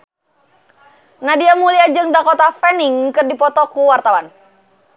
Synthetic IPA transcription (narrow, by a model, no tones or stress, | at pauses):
nadiamuliad͡ʒɨŋdakɔt̪afɛnɪŋkɨrdipɔt̪ɔkuwart̪awan